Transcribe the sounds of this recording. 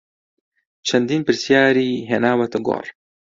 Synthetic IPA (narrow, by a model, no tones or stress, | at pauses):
t͡ʃʰɐnd̪iːnpɨɾsjaːɾiːɦenaːwɐt̪ɨɡo̰ːɾ